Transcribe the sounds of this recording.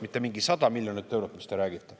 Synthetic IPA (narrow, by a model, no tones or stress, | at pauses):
mit̪ːˑe̞miŋɡisɑd̪̥ɑmilʲjonit̪ːø̞wɾot̪mist̪e̞ɾæːɡit̪ːˑe